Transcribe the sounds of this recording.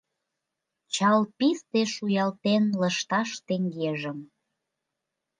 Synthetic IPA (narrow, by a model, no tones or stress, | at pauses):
t͡ɕɑlpist̪eʃujɑlt̪enləʃt̪ɑʃt̪eŋɡeʒəm